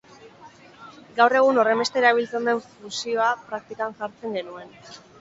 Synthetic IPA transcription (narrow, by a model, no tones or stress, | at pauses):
ɡawre̞ɣ̞uno̞re̞mbe̞st̪e̞ɾaβilt͡se̞nd̪e̞ɱfusio̞apɾak̚t̪ikanʝaɾt͡se̞ŋɡe̞nue̞n